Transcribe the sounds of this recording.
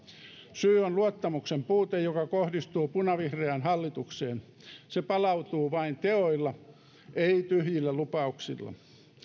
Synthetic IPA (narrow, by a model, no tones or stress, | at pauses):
syːonluot̪ːɑmuksempuːt̪ejokɑkohdist̪uːpunɑʋihreænhɑlːit̪ukseːn | sepɑlɑut̪uːʋɑint̪eoilːɑ | ʔeit̪yhjilːælupɑuksḭlːɑ̰